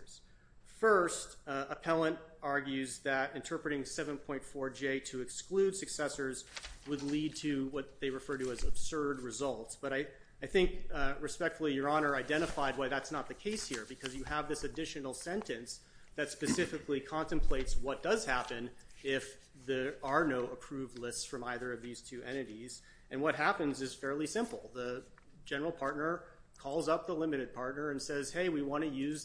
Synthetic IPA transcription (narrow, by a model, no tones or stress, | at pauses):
z̥ | fɜ˞stəpʰɛlˠə̃ntɑɹɡjʉzðɨɾɨ̃ntʰɜ˞pɹɨɾɪ̃ŋsɛvə̃npʰɔ̃ɪ̃ntfɔɹd͡ʒeɪɾɨɨksklʉd̥sɨksɛsə˞zwədˡlid̚tʰɨwʌt̪̚ðeɪɹɨfɜ˞ɾɨɨzəb̥sɜ˞d̚ɹɨzʌlˠtsb̥ʌɾaɪ | aɪθɪ̃ŋkɹɨspɛk̚tfl̩ˠijə˞ɑñə˞aɪdɛ̃ɾ̃ɨfaɪd̚waɪðætsnət̪̚ðɨkʰeɪshiɹbɨkʰʌzjɨəvðɪsɨdɪʃɨnl̩ˠsɛ̃ntɨ̃ns | ðɨtspɨsɪfɨklikʰɑ̃ntɨ̃mpʰl̥eɪtswʌt̚d̥ʌz̥hæpɨ̃nɪf | ðəə˞noʊʔəpʰɹ̥ʉvˡlɪstsfɹʌ̃maɪðə˞ʌvðiz̥tʰʉʔɛ̰̃ɾ̃ɨɾiz | ɨ̃nwʌt̚ɦæpɨ̃nzɨz̥fɛɹlˠisɪ̃mpl̩ˠðə | d͡ʒɛnə˞l̩ˠpʰɑɹtⁿnə˞ | kʰɔlˠzʌp̚ðəlɪ̃mɨɾɨd̚pʰɑɹtⁿnə˞ɨ̃nsɛz̥heɪwiwɑ̃ɾ̃ɨjʉz